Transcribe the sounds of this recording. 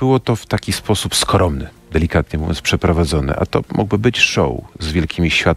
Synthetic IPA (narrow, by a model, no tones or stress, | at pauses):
bɘwɔt̪ɔft̪akʲispʰɔsupskɾɔmnɘ | d̪ɛlʲikat̪ɲɛmuvʲɔ̰nspʂɛpɾɔvad̪zɔnɘ̰ʔa̰t̪ɔ̰mʔṵɡbɘbɘt͡ɕʂɔ̰wzvʲjɛlkʲimʲiɕfʲat̪